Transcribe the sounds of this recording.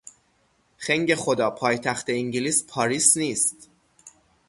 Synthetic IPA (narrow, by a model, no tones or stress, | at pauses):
xeŋɟe̞xo̞d̪ɒːpʰɒːjt̪ʰæxt̪e̞iŋɟiliːspʰɒːɾiːsniːst̪